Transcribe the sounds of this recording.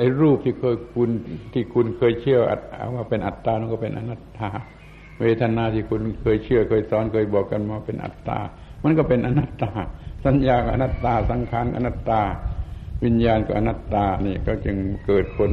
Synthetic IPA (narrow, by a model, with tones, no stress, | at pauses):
ʔa˧˩jɾuː˧˩p̚t̪ʰiː˧˩kʰɤː˧˨jkʰu˧˥nt̪ʰiː˧˩kʰu˧nkʰɤː˧˨jt͡ɕʰɯ˧˩˨əʔa̰˧t̪̚a̰˧˩waː˧pe˨nʔa˨˩t̪ːaː˧˨n˧˨kɔ˧˩pe˨nʔa̰˧na˧t̪ːaː˧˩ | weː˧˩t̪ʰa˧naː˧t̪ʰiː˧˩kʰu˧˨nkʰɤː˧˨jt͡ɕʰɯ˧˩əkʰɤː˧˩jsɔː˨˦nkʰɤː˧˨jbɔː˨˩kːa˧˨nmaː˧a˧pe˧˨nʔa̰˨˩t̪ːa̰ː˧˩ | ma˧˥˨nk̬ɔ˧˩pe˨nʔa˧na˧˩t̪ːaː˧sa˨˦njaː˧˩ka˧˩ʔa̰˧na˧t̪ːaː˧˩sa˨˦ŋkʰaː˨˥˨nka˧˨na˧t̪ːaː˧˩wi˧˥njaː˧nka˧˩ʔa˧na˧t̪ːaː˧˩niː˧˩kɔ˧˩t͡ɕɯ˧ŋkɤː˨˩t̪̚kʰo˧n